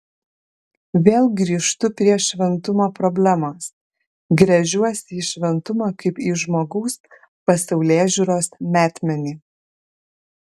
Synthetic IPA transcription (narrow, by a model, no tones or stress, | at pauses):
ʋʲeːlˠɡɾʲiːʃt̪ʊpʲɾʲiɛʃʲʋʲɛnt̪ʊmoːpɾɔbʲlʲæmoːs | ɡɾʲɛʒʲuɔsʲiːʃʲʋʲɛnt̪ʊmɑːkɐɪpiːʒmoːɡɐʊs | pɐsɐʊlʲeːʒʲʊːɾoːsmʲæːt̪ʲmʲɛnʲiː